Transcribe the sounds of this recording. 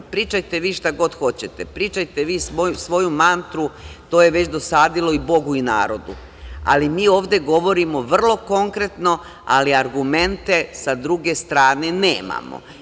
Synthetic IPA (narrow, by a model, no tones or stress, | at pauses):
pɾiːt͡ʃajt̪e̞ʋiːʃt̪aɡo̞d̪xo̞t͡ɕet̪epɾiːt͡ʃajt̪eʋiːsʋosʋo̞jumant̪ɾut̪o̞ːje̞ʋe̞t͡ɕd̪o̞saːd̪ilo̞ibo̞ɡuina̰ːɾo̞d̪u | a̰limiːo̞ːʋd̪e̞ɡo̞ʋo̞ɾimo̞ʋr̩lˠo̞ko̞ŋkɾe̞t̪no̞ | a̰liaɾɡume̞nt̪e̞sad̪ɾuɡe̞st̪ɾaːne̞neːma̰mo̰